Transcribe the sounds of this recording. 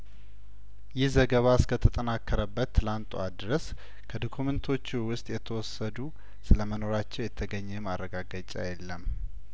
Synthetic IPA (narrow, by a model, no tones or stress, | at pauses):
jɪhzəɡəβaskʰət̪ʰət̪ʼənakʰːəɾəbːət̪ʰːɨlant̪ʼuad̪ɾəs | kʰəd̪okʰumənt̪ʰo̞t͡ʃːwʊst̪ʼjɛt̪ʰəwɔsːəd̪u | sɨləməno̞ɾat͡ʃːɛwjɛt̪ʰəɡəɲːɛmarːəɡaɡat͡ʃʼa̰jɛlːəm